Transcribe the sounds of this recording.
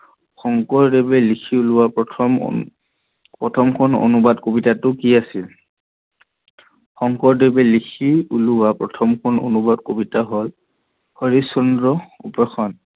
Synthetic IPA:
xɔŋkɔɹdebɛlikʰiulʊwapʰm̰ | pɹɔtʰɔmkʰɔno̰nubadkobitatʊkiasil | xɔŋkɔɹdebɛlikʰiulʊwapɹɔtʰɔmkʰɔno̰nubadkobitaɦol | hɔɹisɔndɹɔupɔxʰɔn

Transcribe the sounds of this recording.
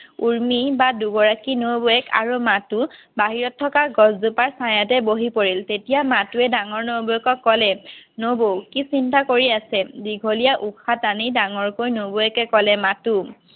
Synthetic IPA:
uɹmibaduɡɔɹakinowboɛka̰ɹumatu | baɦiɹɔtʰːɔkaɡɔzzupaɹsajatɛboɦipoɹiltetijamatuɛdaŋɔɹnoboɛkɔkːɔlɛnobowkisintakoɹiasɛdiɡʱolijaʔuxʰatanidaŋɔɹkojnoboɛkɛkɔlɛmatu

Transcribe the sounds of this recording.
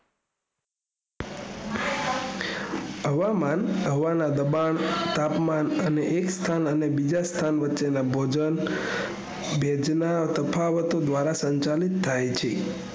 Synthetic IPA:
ɦəʋamanɦəʋanad̪əbaɳt̪apmanəneʔekst̪ʰanənebid͡ʒast̪ʰanʋətːʃenabʱod͡ʒən | bʱjɛd͡ʒnat̪əpʰaʋət̪od̪ʋaɾasəɲt͡ʃalit̪ʰːajt͡ʃʰe

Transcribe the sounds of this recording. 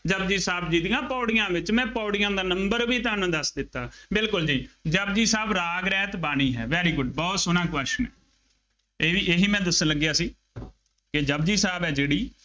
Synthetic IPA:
d͡ʒəb̚d͡ʒiːsaːbd͡ʒiːd̪ɪjãːpɔːɽɪjãːʋɪt͡ʃmɛ̃ːpɔːɽɪjãːd̪aːnəmbəɾʋiːt̪aːnũːd̪əsd̪ɪt̪ːaːbɪlkʊld͡ʒiːd͡ʒəb̚d͡ʒiːsaːbɾaːɡɾɛːt̪baːñiːɦɛ̰ːʋɛːɾiːɡʊɖbɔːt̪sʊnãːkʋəʃmɛ̰̃ː | eːiːʔeɦiːmɛ̃ːd̪əsələɡjaːsiː | kɪd͡ʒəb̚d͡ʒiːsaːbɛːd͡ʒeːɽiː

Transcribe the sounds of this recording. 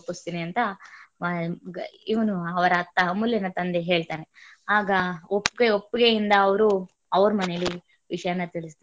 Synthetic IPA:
pːust̪iːniɐnt̪ɐ | iʋɐnuɐʋɐɾɐt̪ːɐmuljɐnɐt̪ɐnd̪eɦe̞ːɭt̪aːne | aːɡɐopːɡeopːuɡejind̪ɐːʋɐɾu | ɐʋɐɾɐmɐnejɐlːi | ʋiʂɐjanːɐt̪iɭist̪i

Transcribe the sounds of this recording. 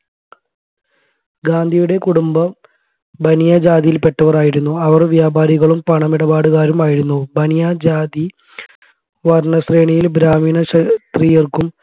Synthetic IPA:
ɡaːnd̪ʱijuɽe̞kuɽumbɐ | bʱɐnijɐd͡ʑaːd̪ijilpe̞ʈːɐʋɐraːjiɾunːuɐʋɐrʋjaːbʱaːɾiɣɐɭumpɐɳɐmiɽɐbaːɽuɣaːɾumaːjiɾunːubɐnijad͡ʑaːd̪i | ʋɐrɳɐsreːɳijilbɾaːmiːnɐɕɐt̪rijɐrkum

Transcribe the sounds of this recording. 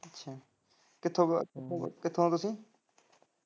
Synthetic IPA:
ətːʃʰaː | kɪt̪ʰːõːkɪt̪ʰːõːkɪt̪ʰːõːt̪ʊsĩː

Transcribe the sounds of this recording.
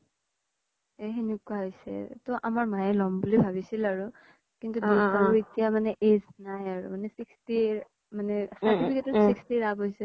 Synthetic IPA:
eɦenekwaɦojsɛ̰tɔʔamaɹmajɛlɔmbulibʱaβisilaɹu | kintubiaɹuitijamanɛʔeznajaɹṵmanɛsiksti | manɛsatipʰikɛtʊsikstiɹabɦojsɛ

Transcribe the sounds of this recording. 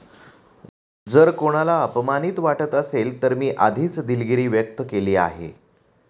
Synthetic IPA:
d͡zəɾkoɽ̃alaəpəmaniːt̪ʋaʈət̪əselt̪əɾmiːʔad̪ʱiːt͡sd̪ilɡiɾiːʋjək̚t̪əkeliːa̰ɦḛ

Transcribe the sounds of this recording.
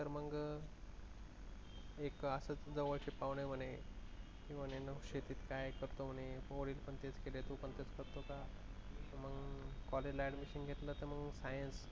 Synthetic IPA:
t̪əɾməɡ | ekəsət͡sd͡zəʋət͡ɕepaʋɳem̤əne | kĩʋanenəkʂet̪iːt̪kajkəɾt̪om̤əñepoʋɽiːlpəɳt̪et͡skelet̪upəɳt̪et͡skəɾt̪oka | məɡkɔled͡ʑlajɖmiɕinɡʱet̪lət̪əɾməɡsajəns

